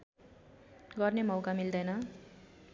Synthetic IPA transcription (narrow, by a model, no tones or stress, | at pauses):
ɡʌrnemʌwkamild̪ʌjnʌ